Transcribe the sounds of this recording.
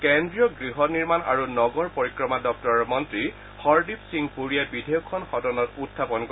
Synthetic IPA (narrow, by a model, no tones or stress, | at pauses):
kɛndɹijɔɡɹiɦɔniɹmana̰ɹunɔɡɔɹpoɹikɹɔmadɔk̚tɔɹɔmɔntɹi | hɔɹdipsiŋpuɹijabidʱejɔkʰːɔnxɔdɔnɔtutʰːapɔnk